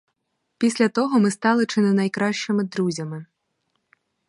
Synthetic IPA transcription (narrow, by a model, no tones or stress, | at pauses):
pʲisʲlʲɐt̪ɔɦɔmɪst̪ɑlˠɪt͡ʃɪnɪnɐjkɾɑʃt͡ʃɪmɪd̪ɾuzʲɐmɪ